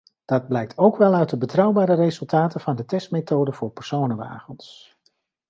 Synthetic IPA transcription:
d̥ɑd̚blɛjk̚tʰowkʋɛlˠœɥt̚dəbətrɑwbaːɾərezɵlˠtaːtənvɑndətɛstmetowdəvʊːɹpɛɹsownəʋa̰ːpəns

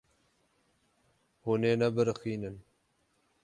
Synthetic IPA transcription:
huneːnɛbɨɾɨxiːnɨn

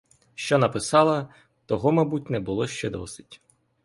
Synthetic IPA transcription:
ʃt͡ʃɔnɐpɪsɑlˠɐ | t̪ɔɦɔmɐbutʲnɛbʊlˠɔʃt͡ʃɛd̪ɔ̰sɪ̥tʲ

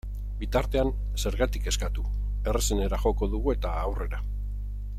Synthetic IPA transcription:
bit̪aɾt̪e̞an | se̞ɾɣat̪ike̞skat̪u | e̞re̞sene̞ɾaʝo̞ko̞ðuɣ̞ue̞t̪aːwre̞ɾa

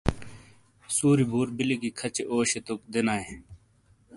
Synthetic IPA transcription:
suːɾibʱuːɾbilikikʰɐt͡ɕeʔoːɕet̪ok̚d̪enaːe

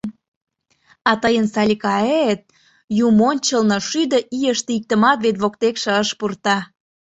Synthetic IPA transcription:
ɑt̪əjənsɑlʲikɑet̪̚ | jumonʲt͡ɕəlnɤʃyd̪əʔijəʃt̪eik̚t̪əmɑt̪βet̪βok̚t̪ekʃĕəʃpurt̪ɑ

